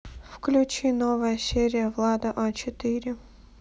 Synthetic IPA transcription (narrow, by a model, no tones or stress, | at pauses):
fklʲʉt͡ɕinovəjəsʲeɾʲɪjəvlˠad̪əʔot͡ɕɪt̪ɨɾʲɪ